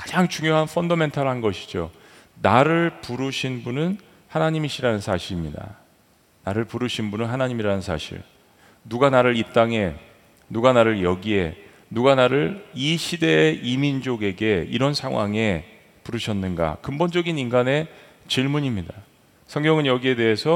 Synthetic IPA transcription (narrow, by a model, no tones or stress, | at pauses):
kḁd͡ʑaŋt͡ɕuŋjoɦanfʰʌndʌme̞ntʰʌɾɭɦanɡʌɕʰi̥d͡ʑonaɾɯɭpuɾɯɕʰinbunɯn | hanaɲimiɕʰiɾanɯnsʰaɕʰiɾimɲida̰ | naɾɯɭpuɾɯɕʰinbunɯnɦanaɲimiɾanɯnsʰa̰ɕʰḭɭ | nuɡanaɾɯɾip̚t͈aŋe̞ | nuɡanaɾɯɭjʌɡie̞ | nuɡanaɾɯɾiɕʰide̞imind͡ʑoɡe̞ɡe̞iɾʌnsʰaŋwa̰ŋe̞ | puɾɯɕʰʌnːɯnɡa̰kɯmbond͡ʑʌɡininɡane̞ | t͡ɕiɭmuɲimɲida | sʰʌŋɡjʌŋɯnjʌɡie̞de̞ɦesʰʌ